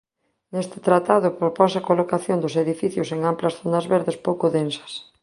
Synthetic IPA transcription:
nest̪ɪ̥t̪ɾat̪aðʊpɾoponsɐkolokaθjond̪ʊseðifiθjʊseŋamplɐsθonɐzβeɾðespowkoðensɐ̥s

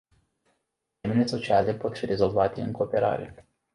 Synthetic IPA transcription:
emeneso̞t͡ʃiale̞po̞t̪fiɾe̞zo̞lvat̪e̞ɨ̰ŋko̞ːpe̞ɾa̰ɾe̞̰

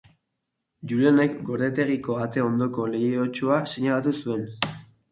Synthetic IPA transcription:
ʝuɾione̞kɡo̞ɾðet̪e̞ɣ̞iko̞at̪e̞o̞nd̪o̞ko̞le̞jot͡ʃuaseɲalat̪usue̞n

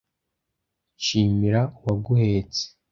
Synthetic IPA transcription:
t͡ʃiːmiɾauwaɡuheːt͡se̥

